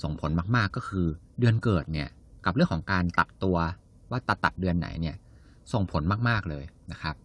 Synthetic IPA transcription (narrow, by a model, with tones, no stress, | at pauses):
so˨˩ŋpʰo˩˦nmaː˥˩k̚maː˥˩kːɔː˥˩kʰɯː˧ | dɯ˧ənkɤː˨˩t̪̚ni˥˩ɐ | ka˨˩p̚ɾɯ˥˩əŋkʰɔː˩˦ŋkaː˧nt̪a˨˩p̚t̪u˧ɐ | waː˥˩t̪a˨˧˩t̪a̰˨˩p̪̚dɯ˧ənːa̰˩˦jni˥˩ɐ | so˨˩ŋpʰo˩˦nmaː˥˩k̚maː˥˩k̚lɤː˧jna˦˥kʰa˦˥p̚